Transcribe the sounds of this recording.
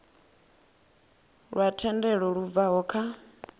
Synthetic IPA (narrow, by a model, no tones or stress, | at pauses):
ɺwatʰɛndɛɺɔɺub̪vaɦɔkʰa